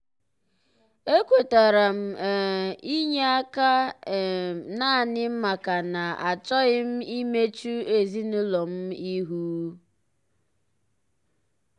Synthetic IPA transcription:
e˦kʷo˨ta˨ɾa˨m̩˨i˦ɲe˦a˦ka˦˨ | na˦a˨nɪ˦m̩˦ma˨ka˨na˨a˨t͡ʃɔ˦ɣɪ˦m̩˦i˦me˦t͡ʃu˦e˨zi˦n̩˦lɔ˨m̩˦i˦ɦu˦

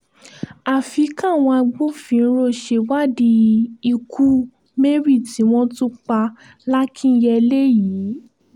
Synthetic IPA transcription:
a˨fi˨˦kã˦˨w̃ɔ̃˧a˧ɡ͡bo˦fĩ˧˦˧ɾo˦˨ʃe˧wa˦di˧i˧kʰu˦ | me˦ɾi˦˨ti˨˦w̃ɔ̃˦tũ˦k͡pa˧ | la˦kʰĩ˦n̩˦jɛ˧le˦jiː˨˦

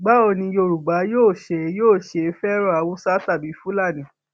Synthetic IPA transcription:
ɡ͡ba˦o˧nĩ˧jo˧˨ɾu˨ɡ͡ba˨˦joː˦˨ʃe˧joː˦˨ʃe˧fɛ˦ɾɔ˦a˨˧wũ˦sa˦ta˦˨bi˨˦fu˦la˦˨nĩ˨

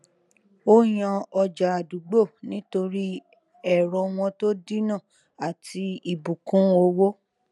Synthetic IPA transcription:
o˦jã˧ɔ˧d͡ʒa˨a˨du˨ɡ͡bo˦˨nĩ˦to˧ɾi˦ | ɛ˦˨ɾɔ˧w̃ɔ̃˧to˦di˦nã˦˨ | a˨ti˧i˨bu˨kũ˨˦o˧˦wo˦

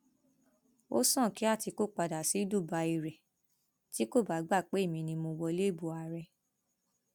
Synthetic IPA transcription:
o̰˦sɔ̃˦˨ki˨˦a˦˨ti˧ko˦˨k͡pa˧da˨si˨˦du˦˨ba˧i˧ɾɛ˨ | ti˦ko˦˨ba˨˦ɡ͡ba˦˨k͡pe˨˦e˦˨mĩ˧nĩ˧mõ˧wɔ˧le˦˨bu˨˧a˧ɾɛ˧

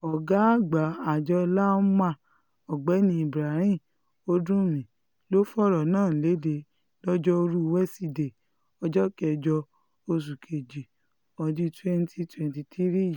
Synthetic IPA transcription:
ɔ˨ɡa˨˦˨ɡ͡ba˨a˨d͡ʒɔ˧la˦mã˧˨ | ɔ˨ɡ͡bɛ˨˦nĩ˧˦i˨bɾa˨˦ɾĩ˦˨ | o˦dũ˦mĩ˨ | lo˦fɔ˦ɾɔ˨nãː˦˨le˨˦de˧ | lɔ˦d͡ʒɔ˦o˧ɾu˦˧wɛ˦si˧de˨ | ɔ˧d͡ʒɔ˦kɛ˨˧˨d͡ʒɔ˧ | o˧s̬u˨kʰe˨d͡ʒi˨ | ɔ˨di˧tɛ˧n˦ti˧twɛ̃˨n˨ti˧ti˦ɾi˦˨i˨

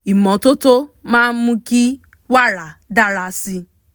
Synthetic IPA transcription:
i˨mɔ˨tʊ˦to˦ma˦mʊ˦ki˦ | wa˦ɾa˨da˦ɾa˨˦si˦

